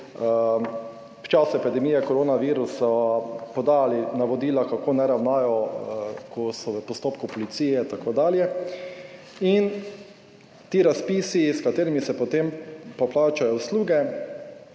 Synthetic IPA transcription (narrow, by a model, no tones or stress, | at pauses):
pt͡ʃasʊɛpid̪ɛmijɛkɔɾoːnaʋiːɾusapɔd̪aːlinaʋɔd̪iːlakakoːnɛɾawnaːjɔ | kʰɔsɔʋəpɔst̪oːpkʊpɔlit̪siːjɛt̪akoːd̪aːljɛ | in | t̪iːɾaspiːsiskat̪eːɾimisɛpɔt̪empɔplaːt͡ʃajɔwsluːɡɛ